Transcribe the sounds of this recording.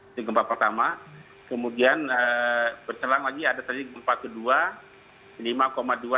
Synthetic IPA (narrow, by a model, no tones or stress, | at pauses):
t̪uɡəmpapərt̪ama | kəmudianəbərt͡ʃəɾaŋlaɡiadat̪adiɡəmpakədua | limakomadua